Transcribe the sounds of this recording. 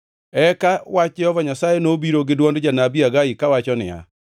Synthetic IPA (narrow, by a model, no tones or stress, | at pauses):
ɛkawat͡ʃɛɔvaɲasajenobiɾoɡedwɔnded͡ʒanabiaɣaikawat͡ʃɔnɪ̰a̰